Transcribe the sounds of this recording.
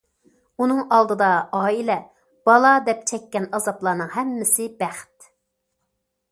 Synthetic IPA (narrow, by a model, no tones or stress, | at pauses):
unɨŋɑlˠd̪ɨd̪ɑɑːilɛ | b̥ɑlˠɑd̪ɛp̚t͡ʃʰɛkʲːɛnɑzɑplˠɑːnɨŋhɛmːɪsɪbæχt̪